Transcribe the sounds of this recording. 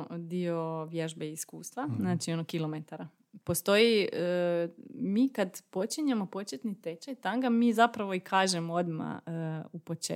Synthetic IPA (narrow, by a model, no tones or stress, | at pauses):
d̪ioʋjeʒbeiskuːst̪ʋaznaːt͡ʃio̞nokilˠo̞met̪aɾa | post̪o̞jiə | miːkad̪po̞t͡ʃiɲamo̞po̞t͡ʃet̪nit̪et͡ʃajt̪aŋɡamiːzapɾaʋo̞ikʰaːʒemood̪ma̰upo̞t͡ʃe